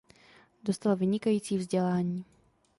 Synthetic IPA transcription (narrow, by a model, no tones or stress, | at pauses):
do̞st̪alvɪɲɪkajiːt͡siːvzɟɛlaːɲiː